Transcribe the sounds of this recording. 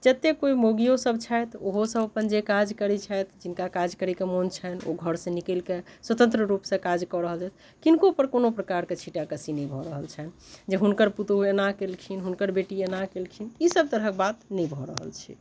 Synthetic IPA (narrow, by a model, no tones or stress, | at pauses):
d͡ʒət̪ekoimoɡijosəbt͡ʃʰajt̪oɦosəbəpənd͡ʒekad͡ʒkəɾit͡ʃʰajt̪ʰd͡ʒinkakad͡ʒkəɾɛkemont͡ʃʰəno̰ɡʱəɾsə̃nikelkeswət̪ə̃nt̪ɾəɾupsẽkad͡ʒkɔɾəɦəld͡ʒajt̪̚ʰ | kinkopəɾkonopɾəkaɾket͡ʃʰiʈakəsinɛ̃jbʱɔɾəɦəlt͡ʃʰɛnd͡ʒeɦunkəɾput̪oenakelkʰinɦunkəɾbeʈienakelkʰinisəb̚t̪əɾək̚bat̪nɛjbʱɔɾə̰ɦə̰lt͡ʃʰḭ